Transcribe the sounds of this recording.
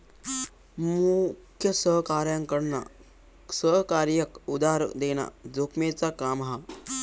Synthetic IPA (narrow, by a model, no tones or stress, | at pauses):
mukʰjəsəɦkaɾjãŋkəɽna̰ | səɦkaɾjəkud̪aɾd̪ena̰d͡zokʰmet͡sakamɦa